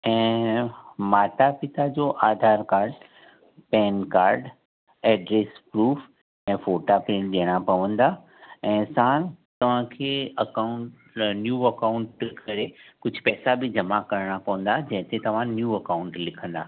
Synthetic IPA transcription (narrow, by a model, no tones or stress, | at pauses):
ɛ̃ː | maːʈapɪt̪ad͡ʑoːʔaːd̪ʱaːɾkaːɾɖ | pɛːnkaːɾɖ | ɛːɖɾeːspɾuːf | ɛ̃ːfoːʈapɾɪ̃ʈɗeəɽ̃apɐʋə̃nd̪a | ɛ̃ːsaːnt̪ɐʋ̤ãkʰeːɐkaʊ̃ʈ | njuːɐkaʊ̃ɳʈkʰɐɾekʊd͡ʑʱpɛːsabɪd͡ʑɐmakɐɾɽ̃apɐʋə̃n̆d̪ad͡ʑɐ̃ɦɪ̃t̪ʰet̪ɐʋ̤ãnjuːɐkaʊ̃ɳʈlɪkʰə̃nd̪aː